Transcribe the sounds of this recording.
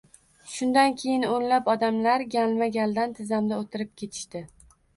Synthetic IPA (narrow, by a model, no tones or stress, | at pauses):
ʃʊnd̪ankʲʰe̞jɪnonlapɒd̪amlaɾɡʲalmaɡʲald̪ant̪ʰɪzamd̪aot̪ʰɪɾɪp̚kʲʰe̞t̪ʰɪ̥ʃt̪ɪ